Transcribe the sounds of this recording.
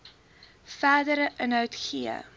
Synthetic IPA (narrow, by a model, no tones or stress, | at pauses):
fæːdəɾəʔənɦœwtχiə̰